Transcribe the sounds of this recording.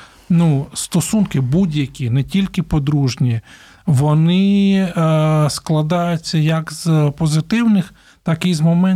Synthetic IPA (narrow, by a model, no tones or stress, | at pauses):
nust̪ɔsunkɪbudʲjɐkʲinɛtʲilʲkɪpɔd̪ɾuʒnʲi | ʋɔnɪ | sklˠɐd̪ɑjʊt͡sʲːɐjɐkzpɔzɪt̪ɪwnɪx | t̪ɑkɪzmɔmɛ